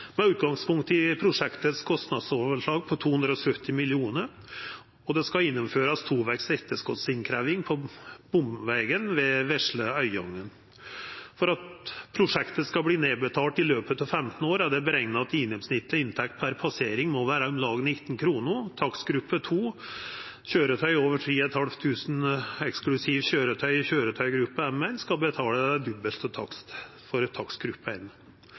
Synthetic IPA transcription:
mɛʉːt̪̚ɡɑŋspʰʊŋk̚t̪ɪpʰɾʊʂɛkt̪əskʰɔst̪nɑd̪soːʋəʂɭɑːɡ̚pʰɔt̪ʰuːhʉnd̪ɾɔsœt̪ːɪmɪlɪuːnəɾ | ɔd̪ɛskɑɪnːʊmføːɾɑst̪ʰuːʋɛksɛt̪ːəʂkɔt̪sɪŋkʰɾæʋɪŋpʰɔb̥ʊmʋɛɡənʋɛʋɛʂɭəœʏɔ̰ŋːən | fɔɾɑt̪pʰɾʊʂɛkt̪əskɑbliːneːbət̪ʰɑːʈɪløːpət̪ɑːʋfɛmt̪n̩oːɾæd̪ɛbəɾɛŋnɑɑt̪ɪŋnɔmsnɪt̪ːlɪɪnt̪ʰɛk̚t̪̚pʰæɾpʰɑseːɾɪŋmɔʋæːɾɑɔmlɑːɡnɪt̪ːn̩kʰɾuːnʊt̪ʰɑksɡɾʉpːət̪ʰuː | çøːɾət̪ʰœʏoːʋəʈʰɾiːɛt̪hɑlft̪ʰʉːsn̩ɛksklʉsiːʋçøːɾət̪ʰœʏçøːɾət̪ʰœʏɡɾʉpːəɛmːɛlskɑbət̪ʰɑːləd̪ʉbːəlt̪ɔt̪ʰɑkst̪fɔɾt̪ʰɑksɡɾʉpːəɛn

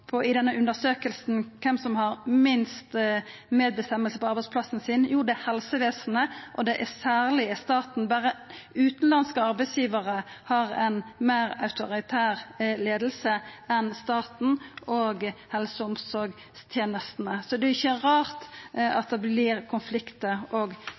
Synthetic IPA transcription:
pʰɔɪd̪ɛnːəʔʉnd̪əsøːkəlsn̩kʰɛmsɔmhɑʁmɪnst̪meːd̪̚bəst̪ɛmːəlsəpɔɑɾbæɪspʰlɑsn̩sɪnjuːʁɖ̪ɛhɛlsəʋeːsnəʔɔd̪ɛʔæsæːʁlɪɛst̪ɑːt̪n̩bæɾəʉːt̪n̩lɑnskəɑʁbæɪsjiːʋəʁəhɑɾɛnmæːɾɑ̰ʉt̪ʊɾɪt̪ʰæːʁleːd̪lsəɛnst̪ɑːt̪n̩oːɡhɛlsəʊmsɔɾɡ | st̪ʰjeːnəst̪nəsɔd̪ɛɪçːəʁɑːʁt̪ɑ̰t̪̚d̪ɛblɪɾkʰʊnflɪkt̪əoːɡ

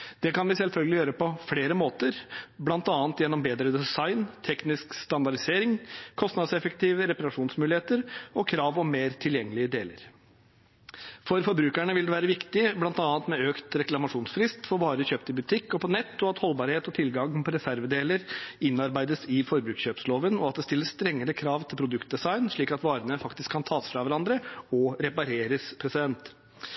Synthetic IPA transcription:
d̪̥ɛkɑnʋɪsɛlfœlɡəlɪjøːɾəpɔfleːɾəmoːt̪əɾblɑnt̪ɑːnt̪jɛnːɔmbeːd̪ɾəd̪ɛsɑɪnt̪ʰɛknɪskst̪ɑnd̪ɑɖɪseːɾɪŋkʰɔst̪nɑd̪sɛfəkt̪ʰiːʋəɾɛpɑɾɑʂuːnsmʉːlɪheːt̪əɾɔkʰɾɑːʋɔmmeːɾt̪ʰɪljɛŋːəlɪəd̪eːlə̰ɾ | fɔɾfɔɾbɾʉːkæɳəʋɪld̪ɛʋæːɾəʋɪkt̪ɪblɑnt̪ɑːt̪mɛøːkt̪ɾɛklɑmɑʂuːnsfɾɪst̪fɔɾbɑːɾəçøːpt̪ɪbʉt̪ʰɪkːɔpɔnɛt̪ːɔɑt̪hɔlbɑːɾheːt̪ɔt̪ʰɪlɡɑŋpʰɔɾɛsæɾʋəd̪eːləɾɪnːɑɾbæɪd̪əsɪfɔɾbɾʉːkɕøːpsloːʋənɔɑt̪̚d̪ɛst̪ɪlːəsst̪ɾɛŋːəɾəkʰɾɑːʋt̪ʰɪlpʰɾʊd̪ʉkt̪̚d̪ɛsɑɪnʂɭiːkɑt̪ʋɑːɾənəfɑkt̪ɪskʰːɑnt̪ʰɑːsfɾɑʋæɾɑnd̪ɾəɔɾɛpɑɾeːɾəspʰɾɛsɪd̪ɛnt̪

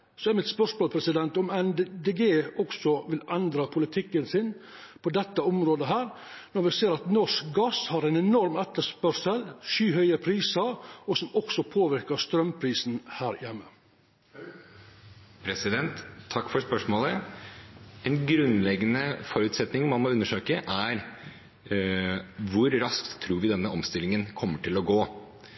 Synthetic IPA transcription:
sɔɛɾmɪt̪spœʂmoːpʰɾɛsɪd̪ɛnt̪ɔmɛnd̪eːɡeːɔksɔʋɪlɛnd̪ɾɑpʰʊlɪt̪ʰɪkːənsɪn | pʰɔd̪ɛt̪ːəɔmɾoːd̪əɦæːɾ | nɔɾʋɪseːɾɑt̪nɔʂkɡɑshɑɾɛɪnɛnɔɾmɛt̪ːəʂpœʂəlʃyːhœʏəpʰɾiːsəɾɔsɔmɔksɔpʰoːʋɪɾkəst̪ɾœmpʰɾiːsnhæːɾjɛmːə | pʰɾɛsɪd̪ɛnt̪ʰːɑkːfɔɾspœʂmoːlə | ɛnɡɾʉnlɛɡːənəfɔɾʉt̪sɛt̪nɪŋmɑnmɔʉnːəʂøːkəʔæɾ | ʋʊɾɾɑsktt̪ʰːɾuːɾʋɪd̪ɛnːəɔmst̪ɪlɪŋənkʰɔmːəʈɪlɔɡoː

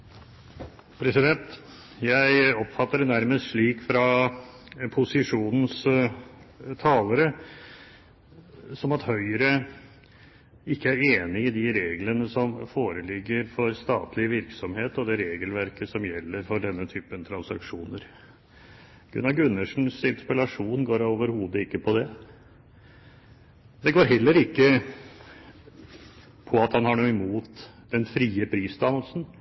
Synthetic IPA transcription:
pʰɾɛsɪd̪ɛnt̪ | jæɪɔpːfɑt̪ːəɾɛnæɾməst̪ʂɭiːkfɾɑ | pʰʊsɪʂuːnn̩s | t̪ʰɑːləɾə | sɔmɑt̪hœʏɾə | ɪkːəæɾeːnɪɪd̪ɪɾeːɡlənəsɔmfoːɾəlɪɡːəɾfɔɾst̪ɑːt̪ʰlɪʋɪɾksɔmheːt̪ɔd̪ɛɾeːɡəlʋæɾkəsɔmjɛlːəɾfɔɖɛnːət̪ʰyːpənt̪ʰɾɑnsɑkʂuːnəɾ | ɡ̥ʉ̰nɑɡʉnːəʂn̩sɪnspɑlɑʂuːnɡoːɾoːʋəɾhuːd̪əɪkːəpʰɔd̪ɛ | d̪ɛɡoːɾɦɛlːəɾɪkːə | pʰɔɑt̪hɑnhɑɳuːɪmuːt̪d̪̥ɛnfɾiːəpʰɾiːsd̪ɑməlsn̩

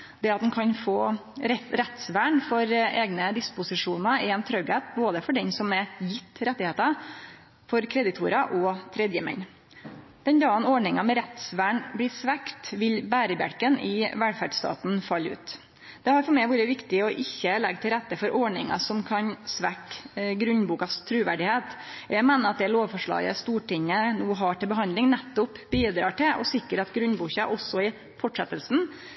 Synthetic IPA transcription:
d̪ɛɑt̪̚d̪ɛnkʰɑnfoːɾɛɾɛt̪sʋæːɳfɔɾeːɡnəd̪ɪspʊsɪʂuːnɑɪɛnt̪ʰɾœɡæt̪boːd̪əfɔɖɛnsɔmɛjɪt̪ʰːɾɛt̪ːɪheːt̪ɑ | fɔɾkʰɾɛd̪ɪt̪ʰuːɾɑʔɔt̪ʰɾɛd̪jəmɛ̰n | d̪̥ɛnd̪ɑːənɔɳɪŋɑmɛɾɛt̪sʋæːɳblɪːsʋækt̪ʋɪlbæːɾəbæ̰ɾkənʔɪʋælfæɖst̪ɑ̰ːt̪n̩fɑlːʉ̰ːt̪ | d̪̥ɛhɑɾfɔɾmɛɪʋuːɾəʋɪkt̪ɪɔʔɪçːəlɛɡt̪ʰɪlɾɛt̪ːəfɔɾʔɔɳɪŋɑ̰sɔmkʰɑnsʋækɡɾʉnbuːkɑst̪ʰɾʉːʋæ̰ɖɪheːt̪jæɪmeːnəɾɑt̪̚d̪ɛloːʋfɔʂɭɑ̰ːɡə̰st̪uːʈʰɪŋːənuːɦɑʈɪlbəɦɑnd̪lɪŋnɛt̪ːʊpbiːd̪ɾɑ̰ːʈɪʔɔ̰sɪkːəɾɑt̪ɡɾʉnbuːçɑʔɔsːɔɪ | fɔʈʂɛt̪ːəlsn̩

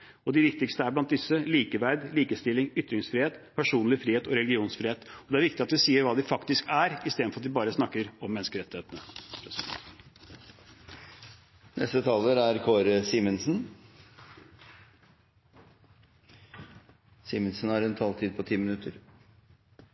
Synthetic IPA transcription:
ɔd̪ɪʋɪk̚t̪ɪkst̪əæɾblɑnt̪̚d̪ɪsːəliːkəʋæɾd̪liːkəst̪ɪlɪŋʏt̪ɾɪŋsfɾiːheːt̪pʰæʂuːnlɪfɾiːheːt̪ɔɾɛlɡɪuːnsfɾiːeːt̪ɔd̪ɛæɾʋɪkt̪ɪɑt̪̚d̪ʉsiːəɾʋɑːd̪ɪfɑkt̪ɪskæɾɪst̪eːd̪fɾɑt̪d̪ɪbɑːɾəsnɑkːəɾɔmːɛnəskəɾɛt̪ːɪheːt̪ənəpʰɾɛs | nʔɛ̰st̪ət̪ʰɑːləɾæɾkʰoːɾsiːmənsn | siːmənsn̩hɑɾɛnt̪ʰɑlt̪ʰiːd̪̚pʰɔt̪ʰiːmɪnʉt̪ːəɾ

